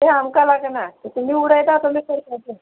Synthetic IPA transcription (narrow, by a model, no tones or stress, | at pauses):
eɦamkalaɡnak̪it̪um̤iːuɽəjt̪at̪omekəɾkat̪e